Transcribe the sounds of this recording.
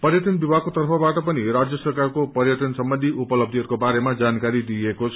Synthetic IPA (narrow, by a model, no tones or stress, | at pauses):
pʌrjʌʈʌnbibʱakot̪ʌrpʰʌbaʈʌpʌniɾad͡zjʌsʌrkarkopʌrjʌʈʌnsʌmbʌnd̪ʱiupʌlʌb̚d̪ʱiʌɾukobaɾemad͡zankaɾid̪iekot͡sʰ